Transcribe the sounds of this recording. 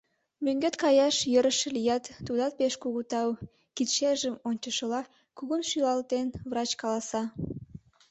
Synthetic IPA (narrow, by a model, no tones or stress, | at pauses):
møŋɡøt̪kɑjɑʃjəɾəʃə̆lijɑt̪ːud̪ɑt̪̚peʃkuɣut̪ɑw | kit̪ʃeʒəmonʲt͡ɕəʃə̆lɑ | kuɣunʃylɑlt̪envrɑt͡ɕkɑlɑsɑ